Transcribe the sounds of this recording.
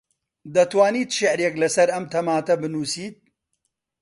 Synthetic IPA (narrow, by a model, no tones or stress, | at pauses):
d̪ɐt̪waːniːt̪ʃɪʕɾeklɐsɐɾɐmt̪ʰɐmaːt̪ɐbɨnuːsiːt̪̚